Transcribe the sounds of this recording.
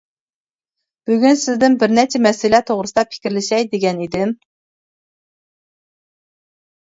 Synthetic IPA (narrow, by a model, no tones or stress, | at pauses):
b̥yɡʲynsɪzd̪ɪmbɪɾnɛt͡ʃʰɛmɛsɪlɛt̪ʰoʁɾɨsɨd̪ɑpʰɪ̥kʲiɾlɪʃɛjd̪eɡʲɛnid̪ɪm